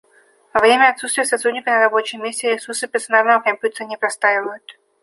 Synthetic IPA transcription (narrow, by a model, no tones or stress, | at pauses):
vɐvɾʲemʲəɐt̪sut̪st̪vʲɪjəsɐt̪ɾudʲnʲɪkənəɾɐbo̞t͡ɕɪjmʲːesʲtʲɪɾʲɪsursəpʲɪrsɐnalnəvəkɐmʲpʲjutʲɪɾənʲɪpɾɐst̪aɪvəjʊt̪